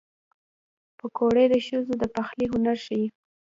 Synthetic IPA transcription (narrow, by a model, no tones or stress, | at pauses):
pəkoɽed̪əʃəzod̪əpaxliɦʊnaɾʃaji